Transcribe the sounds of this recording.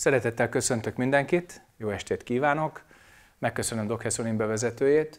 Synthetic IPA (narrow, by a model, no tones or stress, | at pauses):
sɛɾɛt̪ɛt̪ːɛlkø̞sø̞nt̪økmind̪ɛŋkit̪ | joːɛʃt̪eːt̪kiːvaːno̞k | mɛkːøsø̞nømd̪o̞khɛsonimbɛvɛzɛt̪øːjeːt̪